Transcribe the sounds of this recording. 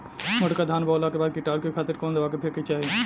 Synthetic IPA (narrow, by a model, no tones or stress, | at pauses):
məʈkad̪ʱaːnbɔːlakebaːd̪̚kɪʈaːlkikʰaːt̪ɪɾkoːnd̪ɐʋaːkepʰeːket͡ʃaːɦi